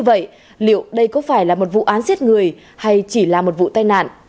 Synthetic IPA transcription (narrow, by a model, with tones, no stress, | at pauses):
və̰˧˨j | lḭ˧˨əwɗə˧jkɔ˨˦faː˧˩jlaː˨˩mo˨˩t̚vṵ˧˨ʔaː˨˦nzi˦˥t̚ŋɨ˨˩əj | ha˧jt͡ɕi˧˩laː˨˩mo˨˩t̚vṵ˧˨t̪aː˧jna̰ː˧˨nʔ